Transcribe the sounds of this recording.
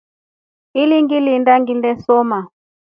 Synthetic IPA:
iliŋɡilindaŋɡindɛsɔma

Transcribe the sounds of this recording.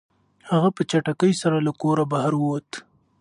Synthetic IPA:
haɣapət͡ʃaʈakəjsaɾalakoɾabahaɾwwat̪

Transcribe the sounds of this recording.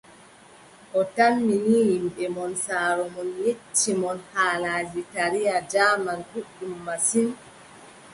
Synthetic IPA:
ʔɔtamːiniːjimbɛmɔnsaːɾɔmɔnjet͡ʃːimɔnhaːlaːd͡ʒitaɾijad͡ʒaːmankuɗːumːasin

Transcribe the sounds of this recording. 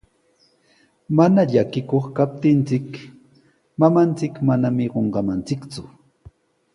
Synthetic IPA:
manaʎakɪkoχkap̚t̪ɪnt͡sɪk | mamant͡sɪkmanamɪɢoɴɢɑmant͡sɪkt͡sʊ

